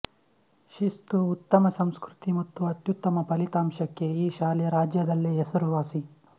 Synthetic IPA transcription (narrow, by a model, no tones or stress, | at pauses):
ʃist̪uːt̪ːɐmɐsɐmskɾut̪imɐt̪ːuɐt̪jut̪ːɐmɐpɐlit̪aːmʃɐkːeiːʃaːlɛjɐɾaːd͡ʒjɐd̪ɐlːeesuɾʋaːsi